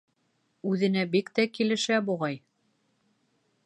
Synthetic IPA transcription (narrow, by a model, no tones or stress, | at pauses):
ʉðɘ̆næbikt̪ækilɘ̆ʃæbuʁɑj